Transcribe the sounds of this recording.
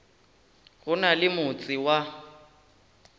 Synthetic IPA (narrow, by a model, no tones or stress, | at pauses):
ɣʊnalɪmʊt͡sʼɪwa